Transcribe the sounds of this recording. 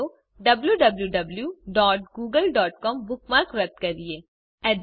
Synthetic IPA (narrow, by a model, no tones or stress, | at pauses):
o | ɖɐbljuɖɐbljuɖɐbljuɖɔːʈ̚ɡuːɡəlɖɔːʈ̚kɔːmbʊk̚maɾkɾɐt̪̚kɐɾieː | ɛːd̪